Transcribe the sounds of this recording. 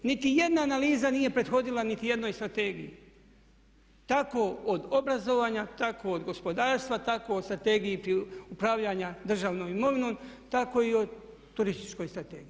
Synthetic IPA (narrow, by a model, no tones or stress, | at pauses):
nit̪ije̞d̪naːnaliːzanije̞pɾe̞d̪xo̞d̪ilanit̪ije̞d̪no̞jst̪ɾat̪e̞ːɡiji | t̪akood̪o̞bɾazo̞ʋaːɲat̪akood̪ɡo̞spo̞d̪aːɾst̪ʋat̪akoost̪ɾat̪e̞ɡijipɾiupɾaːʋʎaɲad̪r̩ʒaːʋnomimo̞ʋinont̪ako̞io̞d̪ | t̪ːuɾist̪i̥t͡ʃko̞jst̪ɾat̪e̞ːɡii